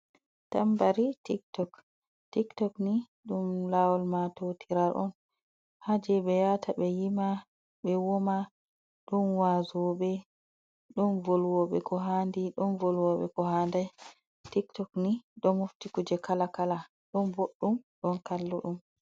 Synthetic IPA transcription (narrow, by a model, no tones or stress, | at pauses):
tambaɾitiktɔk | tiktɔkni | ɗumlawɔlmatotʰiɾaɾʔɔ̰n | had͡ʒɛɓɛjatʰaɓɛjima | ɓɛwɔma | ɗɔnwazɔɓɛ | ɗɔnvolwɔɓɛ̰kɔɦandiɗɔnvolwɔɓɛ̰kɔhandaj | tiktɔkniɗɔmuftikud͡ʒɛkalakala | ɗɔnboɗːumɗɔnkalːuɗum